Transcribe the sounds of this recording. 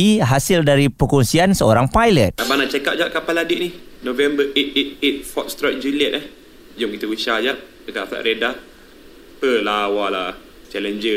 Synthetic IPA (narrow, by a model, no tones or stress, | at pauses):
iɦasildaɾipəkɔŋsiansəoɾaŋpajlət̪̚abanat͡ʃakaʔ̚d͡ʒaʔ̚kapaladiʔnihnovɛmbəʔet̪̚et̪̚et̪̚fɔt̪̚st̪ɾɔt̚d͡ʒuliɛt̪̚ah | d͡ʒʊŋkit̪əkuʃad͡ʒaʔt͡ʃəkaʔfa̰ʔɾeda | pəlawala | t͡ʃɛlənd͡ʒə